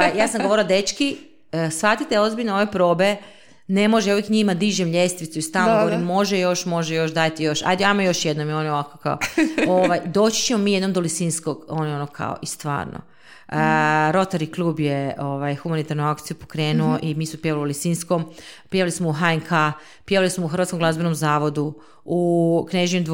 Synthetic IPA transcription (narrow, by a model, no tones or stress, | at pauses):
pajaːsamɡoo̞ɾilod̪et͡ʃki | sfat̪it̪eo̞zbiʎʲneo̞ʋe̞pɾo̞ːbe̞ | ne̞moʒeuʋjekɲimad̪iʒemʎʲest̪ʋit̪suist̪aloɡooɾimːo̞ʒejo̞ʃmo̞ʒɛjo̞ʃd̪ajt̪ijo̞ʃa̰jd̪eamojo̞ʃjed̪nomionjeoʋako̥ka̰ooʋajd̪o̞t͡ɕi̥t͡ɕemomiːjed̪nomd̪olisinskoɡonjonokʰa̰o̰ʔist̪ʋa̰ːɾno̰ | ɾo̞t̪aɾiklˠuːbjeoʋajxumanit̪aɾnuakt̪sijupokɾeːnuoʔimismopjeʋaliulisiːnskompjeʋalismouɦaeŋkʰa | pjeʋalismouxɾrʋat̪koŋɡlˠazbenomzaːʋo̞d̪u | ukneʒɲemd̪